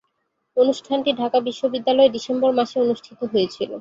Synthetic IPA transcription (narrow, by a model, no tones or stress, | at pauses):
onuʃʈʰanʈiɖʱakabiʃːobid̪ːalɔeɖisembɔɾmaʃeonuʃʈʰit̪oɦoet͡ɕʰilo̰